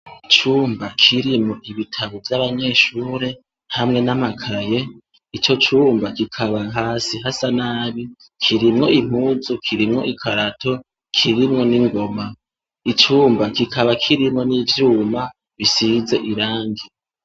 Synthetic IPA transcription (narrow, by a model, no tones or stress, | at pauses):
t͡ʃuːmbakʰiɾimŋo̞ʔiβitʰaβovjaβaɲe̞ːʃuːɾe̞ | hamŋe̞namakʰaje̞ | it͡ʃo̞t͡ʃuːmbakikʰaβaɦaːsiɦasanaːβi | kʰiɾimŋo̞im̥huːzukʰiɾimŋo̞̰ʔikʰaɾatʰo̞ | kʰiɾimŋo̞niŋɡo̞ma | it͡ʃuːmbakikʰaβakʰiɾimŋo̞nivjuːma | βisize̞ʔiɾaːŋɡi